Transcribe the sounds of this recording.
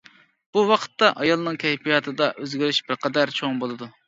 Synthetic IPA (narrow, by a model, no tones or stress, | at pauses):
b̥uwɑqʰə̥t̪ːɑʔɑjɑlˠnɨŋkʲʰɛjpʰijɑt̪ʰɨd̪ɑʔøzɡʲɪɾyʃb̥ɪɾqʰɛd̪æɾt͡ʃʰoŋbolˠɨd̪u